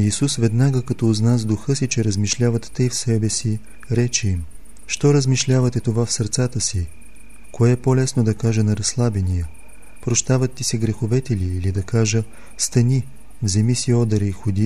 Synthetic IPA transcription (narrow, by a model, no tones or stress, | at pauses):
isusvɛd̪naɡəkɐt̪ɔznazd̪uxɤsit͡ʃɛɾəzmiʃlʲavɐt̪ːəjfsɛbɛsi | ɾɛt͡ʃɛim | ʃt̪ɔɾəzmiʃlʲavɐt̪ɛt̪ovafsɐɾt̪sat̪əsi | koɛpolɛsnod̪ɐkaʒənɐɾɐslˠabɛnijə | pɾoʃt̪avɐt̪ːisɛɡɾɛxovɛt̪ɛliːlid̪ɐkaʒə | st̪ɐni | vzɛmisiɔd̪ɐɾɛixod̪i